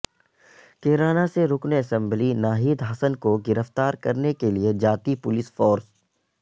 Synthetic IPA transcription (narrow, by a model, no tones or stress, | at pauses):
keːɾaːnaseɾʊkneɐsɛ̃mblinaːɦiːd̪ɦɐsənkoɡɪɾəft̪aːɾkɐɾnekelied͡ʒaːt̪ipʊlɪsfɔːɾs